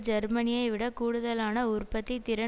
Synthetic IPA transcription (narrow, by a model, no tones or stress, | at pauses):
d͡ʒɐɾmɐnɪjɐɪʋɪɽɐkuːɽɯðɐlaːnɐʊrpɐt̪ːit̪ɪɾɐ